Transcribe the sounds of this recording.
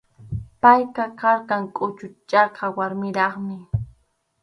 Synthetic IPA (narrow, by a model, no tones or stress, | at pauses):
pajkakaɾkaŋkʼʊt͡ʃʊt͡ʃɑqɑwaɾmɪɾɑχmɪ